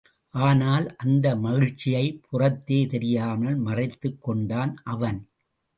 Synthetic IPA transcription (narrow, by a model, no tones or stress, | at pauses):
ʔaːnaːlʔɐnd̪ɐmɐɣɪɻt͡ʃːɪjɐɪpʰʊrɐt̪ːeːt̪ɛɾɪjaːmɐlmɐrɪt̪ːɯkːɔɳɖaːnʔɐʋɐn